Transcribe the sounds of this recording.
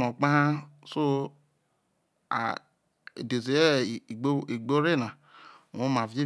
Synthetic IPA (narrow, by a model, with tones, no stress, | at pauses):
no˨k͡pã˦a˦so˦ | a̰˨ | de˨ze˨e˦˨o˦i˨ɡ͡bo˦ɾe˦˨na˨ | õ˦ma˨ve˦